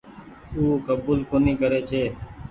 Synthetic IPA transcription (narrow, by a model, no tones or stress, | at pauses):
uːkəbuːlkoːniːkəɾeːt͡ʃʰeː